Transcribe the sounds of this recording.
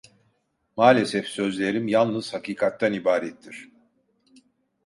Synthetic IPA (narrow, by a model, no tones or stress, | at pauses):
maːlʲesɛfsø̞zlʲe̞ɾimjalˠnɯz̥hakiːkʰat̪ːanibaːɾɛt̪ʰːiɾ̥